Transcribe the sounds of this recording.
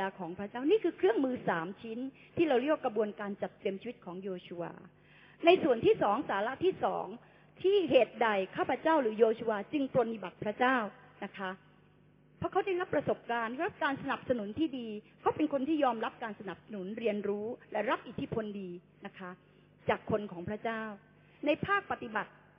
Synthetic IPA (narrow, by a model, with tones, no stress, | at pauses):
aː˧kʰɔː˩˦ŋpʰɾa˦˥t͡ɕaː˥˩wniː˥˩kʰɯː˧kʰɾɯ˥˩əŋmɯː˧saː˩˦mt͡ɕʰi˦˥n | t̪ʰiː˥˩ɾa˧wɾi˥˩wkɾa˧bu˧ənkaː˧nt͡ɕa˨˩t̪̚ːɾi˧əmt͡ɕiː˧˦i˦˥t̪̚kʰɔː˩˦ŋjoː˧t͡ɕʰu˧wa̰ː˧ | na˧jsu˨˩ənt̪ʰiː˥˩sɔː˩˦ŋsaː˩˦la˦˥ʔt̪ʰiː˥˩sɔ̰ː˩˦ŋ | t̪ʰiː˥˩ɦeː˨˩t̪̚da˨˩jkʰaː˥˩pʰɾa˧˥t͡ɕaː˥˩wɾɯː˩˦joː˧t͡ɕʰu˧waː˧t͡ɕɯ˧ŋpɾo˧nːi˨˩ba˨˩t̪̚pʰɾa˦˥t͡ɕaː˥˩w | na˦˥kʰa˦˥ | pʰɔ˦˥kʰa˦˥wda˥˩jɾa˦˥pːɾa˧so˨˩p̚kaː˧nɾa˦˥p̚kaː˧nsa˧na˨˩p̚sa˧nu˩˦nt̪ʰiː˥˩diː˧kʰa˦˥wpe˧nkʰo˧nt̪ʰiː˥˩jɔː˧mɾa˦˥p̚kaː˧nsa˧na˨˩p̚sa˧nu˩˦nɾi˧ənɾuː˦˥lɛ˨˩ɾa˦˥p̚ʔi˨˩t̪ʰːi˦˥pʰo˧ndiː˧ | na˦˥kʰa˦˥ | t͡ɕaː˨˩kʰːo˧nkʰɔː˩˦ŋpʰɾa˦˥t͡ɕaː˥˩w | na˧jpʰaː˥˩k̚pa˨˩t̪i˨˩ba˨˩t̪̚